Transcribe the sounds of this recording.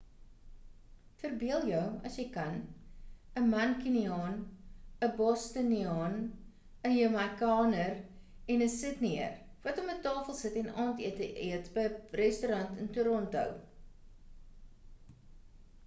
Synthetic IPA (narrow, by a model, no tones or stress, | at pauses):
fərbiəlˠjœwɐsjəjkɐn | əmɐnkiniɑːnəbɔstəniɑːn | əjəmɐkɑːnər | ɛnəsətniərvɐtɔmətɑːfəlˠsətɛnɑːntiətəʔiətbəjrɛstuɾɐntəntuɾɔntɦœ̰w